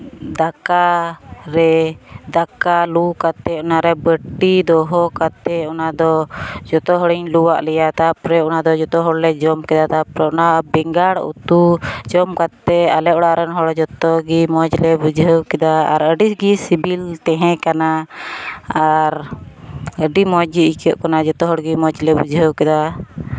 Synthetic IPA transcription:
d̪akaɾɛd̪akalukat̪ɛunaɾɛbəʈːid̪ɔɦɔkat̪ɛɔnad̪ɔd͡ʒɔt̪ɔɦɔɽiɲluwaʔlɛjat̪apɾɛunad̪ɔd͡ʒɔt̪ɔɦɔɽlɛd͡ʒɔmkɛd̪at̪apɾɛɔnabɛŋɡaɽṵt̪ud͡ʒɔmkat̪ːɛalɛʔɔɽaɾɔnɦɔɽd͡ʒɔt̪ɔɡimɔd͡ʒlɛbud͡ʒʱəwkɛd̪aa̰ɾəɖisɡisibilt̪ɛɦɛ̃kana | aɾ | əɖimɔd͡ʒiikʰɔ̰ʔkanad͡ʒɔt̪ɔɦɔɽɡimɔd͡ʒlɛbud͡ʒɦəwkɛd̪a

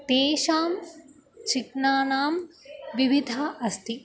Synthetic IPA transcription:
t̪eːʃaːm | t͡ʃiknaːnaːmʋiʋid̪ʱaːʔɐst̪ʰi

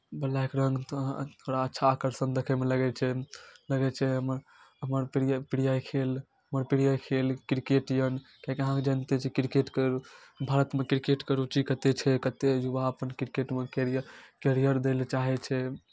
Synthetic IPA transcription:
bəlːaekeɾə̃ŋɡt̪t̪ʰoɽaətːʃʰaːkəɾsənd̪ekʰɛmeləɡɛt͡ʃʰɛləɡɛt͡ʃʰɛɦəməɾ | əməɾpiɽipiɽijajkʰel | ɦəməɾpiɽijajkʰelkɾikeʈjənkakeəɦãked͡ʒant̪et͡ʃʰikɾikeʈkeɾbʱaɾət̪mekɾikeʈkeɾut͡ʃikət̪et͡ʃʰɛkət̪ejubaəpənkɾikeʈmekeɾkeɾijəɾd̪elt͡ʃaɦɛt͡ʃʰɛ

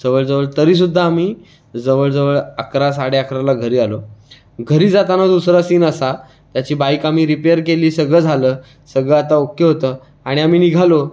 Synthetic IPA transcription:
d͡zəʋəɭd͡zəʋəɭt̪əɾiːs̬ud̪ʱːaːmiː | d͡zəʋəɭd͡zəʋəɭakɾas̬aɽeakɾalaɡʱəɾiːalo | ɡʱəɾiːd͡zat̪anad̪d̪usɾasiːnəsa | t̪jat͡ɕiːbajkamiːɾipejəɾkeliːsəɡɭəːd͡zʱaləː | səɡɭəat̪aokjəɦot̪əː | aɽ̃iamiːniɡʱalo

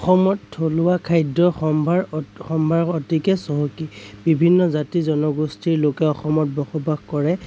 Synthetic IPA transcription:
ɔxɔmɔtʰːolʊwakʰajdɔxɔmbʱaɹxɔmbʱaɹɔtikɛsɔɦɔkibibʱinːɔzatizɔnɔɡustʰiɹlokɛɔxɔmɔt̚bɔxɔbaɡkɔɹɛ

